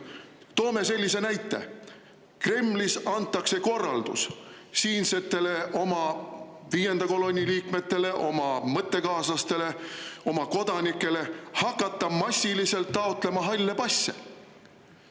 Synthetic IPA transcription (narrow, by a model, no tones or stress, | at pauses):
t̪o̞ːme̞se̞lʲːise̞næjt̪ːˑe̞̰ | kre̞mlisɑnt̪ːˑɑkse̞ko̞rːɑld̪̥ussiːnse̞t̪ːˑe̞le̞ʔo̞mɑ | viːje̞nd̪ɑko̞lo̞nʲiliːkme̞t̪ːe̞le̞ʔo̞mɑmɤt̪ːe̞kɑːslɑst̪e̞le̞o̞mɑko̞d̪̥ɑnikːˑe̞le̞hɑkːˑɑt̪ːˑɑmɑsʲːilise̞lt̪ːɑot̪ˑle̞mɑɦɑlʲːepɑsʲːḛ